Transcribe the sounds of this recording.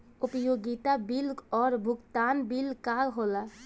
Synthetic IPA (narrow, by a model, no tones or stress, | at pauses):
upəjoɡit̪abilɡɔːɾbʱukt̪anbilkaɦola